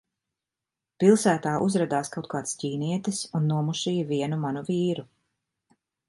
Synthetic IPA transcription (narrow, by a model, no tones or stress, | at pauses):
pilˠsæːt̪aːʔuzɾad̪aːskawt̪̚kaːt̪sciːniɛt̪ɪsunːuɔmuʃiːjviɛnumanuviːɾu